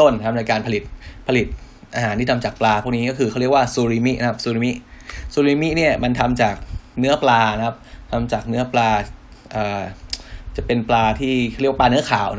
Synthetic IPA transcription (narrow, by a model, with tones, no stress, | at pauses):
o˥˩nkʰa˦˥p̚na˧jkaː˧npʰa˧li˨˩t̪̚pʰa˧li˨˩t̪̚ | ʔa˧haː˨˩˦t̪iː˥˩˧mt͡ɕaː˨˩k̚plaː˧u˥˩kniː˦˥kɔː˥˩kʰɯː˧kʰa˥˩˨i˥˩əkwaː˥˩suː˧ɾiː˧mi˦˥ʔna˧kʰa˦˥p̚suː˧ɾiː˧mi˦˥ʔsuː˧ɾiː˧mi˦˥ni˥˩ɐma˧nt̪ʰa˧mt͡ɕaː˨˩k̚nɯ˦˥ɐplaː˧na˧˥kʰa˦˥p̚t̪ʰa˧mt͡ɕaː˨˩k̚nɯ˦˥ɐplaː˧ | ʔəː˨˩ | t͡ɕa˨˩pe˧nplaː˧t̪ʰiː˥˩a˥˩jplːnɯ˦˥ɐkʰaː˨˩w